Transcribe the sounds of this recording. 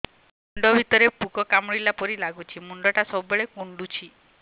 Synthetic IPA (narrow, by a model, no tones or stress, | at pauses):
muɳɖɔbʱit̪ɔɾepukɔkamɽilapɔɾilaɡut͡ʃʰimuɳɖɔʈasɔɔbeɭekuɳɖut͡ʃʰi